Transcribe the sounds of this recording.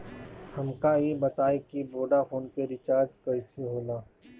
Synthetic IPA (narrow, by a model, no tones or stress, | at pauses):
hɐmkajibɐt̪aːekiboːɖapʰoːnpeɾɪt͡ʃaːɾd͡ʒkɐisiɦoːlaː